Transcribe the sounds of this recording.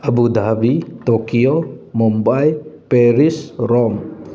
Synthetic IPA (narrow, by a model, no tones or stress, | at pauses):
ʔabud̪abit̪okiomɔmbajpɛɾisrɔm